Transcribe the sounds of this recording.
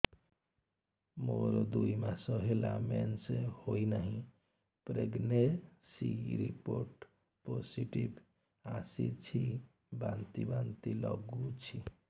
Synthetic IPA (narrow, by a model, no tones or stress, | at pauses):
moɾd̪uimasəɦelamensehoinəɦĩ | pɾeɡnesḭɾḭpoɾʈ | posiʈib | asḭt͡ʃʰi | bãnt̪ibant̪ilə̰ɡut͡ʃʰi